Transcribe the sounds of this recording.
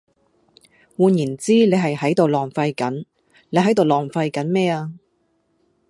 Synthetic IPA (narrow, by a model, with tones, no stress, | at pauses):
wuː˨˧njiː˨˩nt͡siː˥le˨˧jɦɐ˨jhɐ˨˥jt̪o˨wlɔː˨˩ŋfɐ˧jkɐ˨˥n | le˨˧jɦɐ˨˥jt̪o˨wlɔː˨˩ŋfɐ˧jkɐ˨˥nmɛː˥aː˧